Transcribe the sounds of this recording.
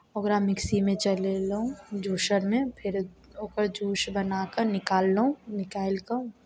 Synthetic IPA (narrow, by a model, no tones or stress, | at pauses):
ɔɡəɾaːmːɪksimẽt͡ʃɐlelɐɦũd͡ʒʱuːʃəɾmẽpʰɪɾoːkəɾd͡ʒuːʃbɐnaːkəɾnɪkaːlːəũnɪkaːɪlkã